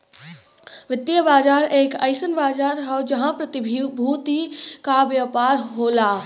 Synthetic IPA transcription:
ʋɪt̪ːijəbaːd͡ʒaːɾeːkɐɪsənbaːd͡ʒaːɾɦɐd͡ʒɐɦãpɾɐt̪ɪbʱbʱuːt̪ikaʋjəpaːɾɦoːlaː

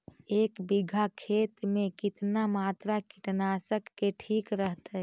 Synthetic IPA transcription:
eːkbɪɡʱakʰeːt̪mẽkɪt̪namaːt̪ɾakɪʈnaːsəkːeʈʰiːkɾəɦt̪aɦ

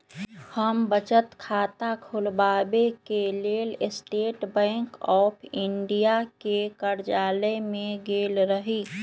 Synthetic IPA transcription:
həmbət͡ʃət̪kʰaːt̪akʰʊlbaːbekeleːlɪsʈeːʈbɛ̃ːŋkɔːpʰɪɳɖijakekəɾd͡ʒaːlemẽɡeːlɾəɦiː

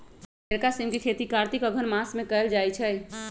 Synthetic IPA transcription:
eɾkasimkekʰet̪ikaɾt̪ikəɡʱənmasmẽkəld͡ʒajt͡ʃʰɛ

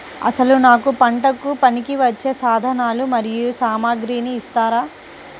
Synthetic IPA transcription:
ɐ̰sɐlunaːkupɐɳʈɐkːupɐnikiʋɐt͡ʃːe̞ːsaːd̪ʱɐnaːlumɐɾijusaːmaːɡɾiːniːst̪aːɾaː

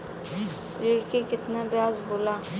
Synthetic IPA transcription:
ɾiːɽkekɪt̪nabɪjaːzboːlaː

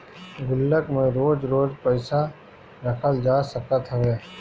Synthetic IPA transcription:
ɡʊlːəkmẽɾoːd͡ʒɾoːd͡ʒpəɪsa | ɾɐkʰəld͡ʒaːsəkət̪ɦɐʋeː

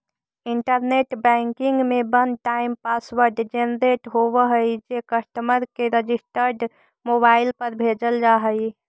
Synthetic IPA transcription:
ɪɳʈəɾneːʈbɛ̃ːŋkɪ̃ŋɡmẽbənd̪̚ʈaːɪmpaːsʋəɾɖd͡ʒenɾeːʈɦowəɦəid͡ʒekəsʈ̪əməɾkeɾəd͡ʒɪsʈəɾɖ | moːbaːɪlpəɾbʱeːd͡ʒəld͡ʒaːɦəi

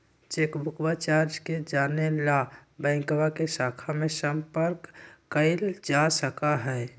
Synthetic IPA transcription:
t͡ʃeːkbʱʊkbat͡ʃaːɾd͡ʒked͡ʒaːnelabɛ̃ːŋkwakesaːkʰamẽsə̃mpəɾkːəɪld͡ʒasəkaɦɛː

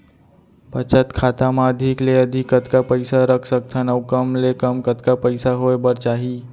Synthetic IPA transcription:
pət͡ʃət̪kʰat̪amãəd̪ʱikleəd̪ʱikət̪kapəjsaɾəkʰsək̚t̪ʰənəwkəmlekəmkət̪kapəɪsaɦojbəɾt͡ʃaɦi

